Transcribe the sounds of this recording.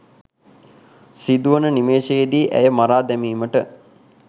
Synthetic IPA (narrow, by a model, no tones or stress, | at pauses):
sid̪uʋənənimeːʃejed̪iːʔæ̰jəmaɾaːd̪æmiːməʈə